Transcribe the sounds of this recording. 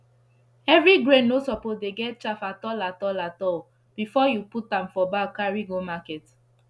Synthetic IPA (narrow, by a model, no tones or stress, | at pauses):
ɛvɹiɡɹẽnosɔpodeɡɛt̚t͡ʃafatɔlatɔlatɔl | b̥ifɔjuputãmfɔbakaɹiɡomakɛt